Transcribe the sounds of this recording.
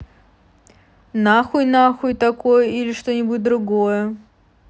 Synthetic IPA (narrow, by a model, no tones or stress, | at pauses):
naxʊjnaxʊjt̪ɐkojəilʲɪʂt̪onʲɪbutʲd̪ɾʊɡojə